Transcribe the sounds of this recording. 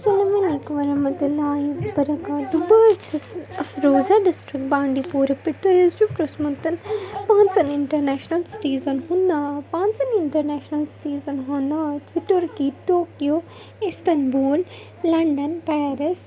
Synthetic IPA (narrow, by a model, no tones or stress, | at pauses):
sɐlamɐlleːkumɐɾɐɦmɐt̪ulaːɦibɐɾɐkaːɖ̪ʊbɐt͡ɕʰɐɐfɾoːzaːɖɪsʈɾɪk̚ʈ̚bãːɳɖipuːɾpɪt̪ʰojuzupʈosmɐt̪ɐnpãːɲt͡sɐnɪɳʈɐɾnɛːʃnɐlsɪ̥ʈiːzənɦũːnd̪aːpãːnt͡sɐnɪ̃ɳʈɐɾnɛːʃnɐlsɪ̥ʈiːzənɦõːnd̪aːt̪ʰɪʈoɾkiʈoːkijo | ɪst̪ɐnbuːl | lɐ̃ɳɖənpaːɾɪs